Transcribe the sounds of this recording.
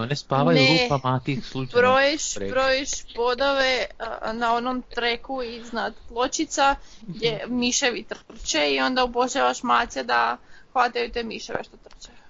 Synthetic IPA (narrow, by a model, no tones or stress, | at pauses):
onespaːʋajuneupamat̪ixslˠut͡ʃbɾojeʃbɾojeʃpod̪aʋenao̞nomt̪ɾekuiznad̪plˠo̞t͡ʃit̪saɡd̪jemiʃeʋit̪r̩r̩t͡ʃeio̞nd̪aupoʃaʋaʃmaːsjad̪axʋat̪ajut̪eːmiʃeʋḛʃt̪ot̪r̩t͡ʃe